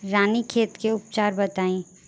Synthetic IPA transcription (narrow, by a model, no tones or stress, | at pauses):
ɾaːnikʰeːt̪keʊp̚t͡ʃaːɾbɐt̪aːĩ